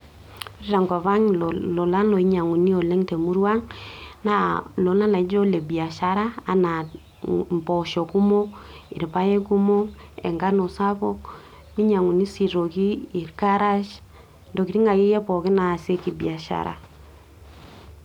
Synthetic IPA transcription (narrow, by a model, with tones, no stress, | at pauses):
ɾi˦ɾa˨ŋɡo˨βa˦ŋlɔ˨la˦no˨i˦ɲa˨ŋu˨ni˦o˨lɛ˦ŋte˨mu˦ɾwa˦ŋna˦lo˨la˦la˨˦d͡ʒo˦le˨bi˨a˨ʃa˦ɾa˦a˨na˨ | mpɔ˨ʃɔ˨ku˦mo˦ḭ˨ɾpa˦je˦ku˦mo˦ḛ˨ŋɡa˦no˨sa˦pɔ˦k | mi˦ɲa˨ŋu˨ni˦si˨ɾo˨kiː˦˨ɾka˦ɾa˦ʃ | ndo˨ki˨ɾi˦ŋa˨ki˦jɛ˦pɔ˨ki˦na˨se˦ki˨bi˨a˨ʃa̰˨ɾa̰˨